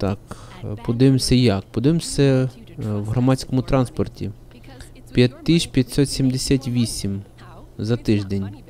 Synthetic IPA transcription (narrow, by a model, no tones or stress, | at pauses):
t̪ɑkpɔd̪ɪʋɪmsʲɐjɑkpɔd̪ɪʋemsʲɐ | wɦɾɔmɑt͡sʲkɔmʊt̪ɾɑnspɔrtʲḭ | pʲjɐt̪ʲːiʃpʲjɐt̪ʲsɔt̪sʲimd̪esʲat̪ʲʋʲisʲim | zɐt̪ɪʒd̪enʲ